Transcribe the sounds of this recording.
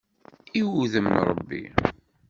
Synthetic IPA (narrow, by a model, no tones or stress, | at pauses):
iwuðəmnɾˤə̰bːḭ